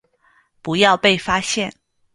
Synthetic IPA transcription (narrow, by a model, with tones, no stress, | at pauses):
pu˧˥jɑ˥˧ʊpe˥˩ɪfa˥ɕjɛ˥˩n